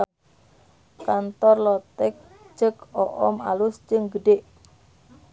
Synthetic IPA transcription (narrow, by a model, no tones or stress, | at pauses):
kant̪ɔrlɔt̪ɛk̚ | d͡ʒ̥əkɔʔɔmalʊsd͡ʒəŋɡəɖeʔ